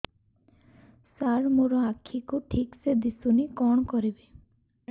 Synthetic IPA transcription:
saɾmoɾɔakʰːikuʈʰiksed̪isunikɔɳ̃ɔkɔɾibe

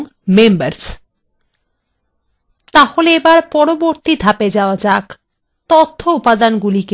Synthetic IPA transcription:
ŋ | membaɾs | t̪aholeebaɾpɔɾoboɾt̪id̪ʱaped͡ʑaoad͡ʑak | t̪ot̪ʰːoupad̪anɡulike

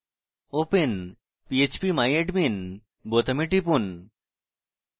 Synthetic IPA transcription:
open | piet͡ɕpimajeʈmin | bot̪ɐmiʈipun

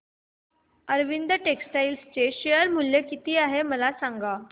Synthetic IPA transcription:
əɾʋind̪əʈeksʈailst͡seɕejəɾmuljekit̪iːaɦeməlasaŋɡa

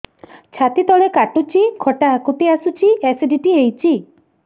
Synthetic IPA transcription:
t͡ʃʰat̪it̪ɔɭekaʈut͡ʃʰikʰɔʈaɦakut̪iasut͡ʃiesiɖiʈiɦejt͡ʃʰi

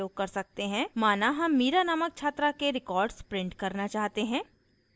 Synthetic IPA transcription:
oːɡ̚kɐɾsɐk̚t̪eɦɛ̃ːmaːnaɦɐmːiːɾanaːmək̚t͡ʃʰaːt̪ɾakeɾɪkɔːɾɖspɾɪ̃ɳʈkɐɾnat͡ʃaːɦt̪eɦɛ̃ː

